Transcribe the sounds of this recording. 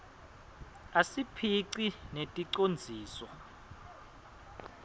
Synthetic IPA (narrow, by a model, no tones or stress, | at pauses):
asipʰiǀinetʼiǀond͡zʱiːsɔ